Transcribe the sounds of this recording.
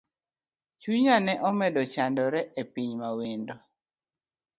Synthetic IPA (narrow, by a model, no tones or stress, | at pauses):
t͡ʃuɲanɛʔɔmɛdɔt͡ʃandɔɾɛʔepiɲmawindɔ